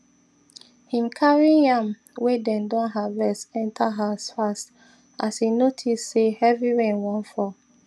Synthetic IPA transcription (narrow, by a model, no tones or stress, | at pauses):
hĩmkʰaɹinãm | wedɛ̃ndɔ̃nɦavɛsɛ̃ntʰaɦasfast | ashinotʰissehɛviɹɛ̃nwɔ̃nfɔ